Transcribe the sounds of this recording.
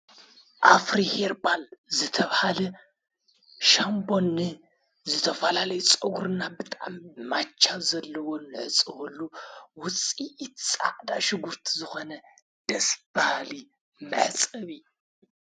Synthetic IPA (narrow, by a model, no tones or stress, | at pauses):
ʔafɾiheɾbalzɨt̪ʰɐβhalɐ | ʃambo̞nːɨ | zɨt̪ʰɐfɐlalɐjut͡sʼɐɡɾɨnabɨt̪ʼaʕmːat͡ʃʰːazɐlːɐwo̞nɨʕɨt͡sʼːɨβɐlːuwʊt͡sʼit̪t͡sʼa̰ʕd̪aʃɪɡuɾt̪ʰizɨxonɐ | d̪̥ɐsb̥ahali | mɨ̰ʕħɨt͡sʼɨβi